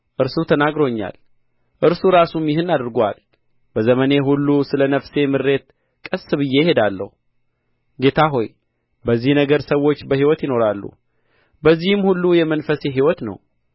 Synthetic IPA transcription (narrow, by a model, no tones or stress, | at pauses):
ʔɨɾsut̪ʰənaɡɾo̞ɲːa̰l | ʔɨɾsuɾasumjɪɦɨnad̪ɾɡoa̰l | bəzəməne̞ɦulːusɨlənəfse̞mɨɾːe̞t̪ | kʼəsːɨβɨjːejɪhe̞d̪alːə̰hu | ɡe̞t̪ʰaɦo̞j | bəzːihnəɡəɾsəwo̞t͡ʃːbəhiwɔt̪jɪno̞ɾalːṵ | bəzːihɨmhulːujɛmənfəse̞ɦiwɔt̪nə̰w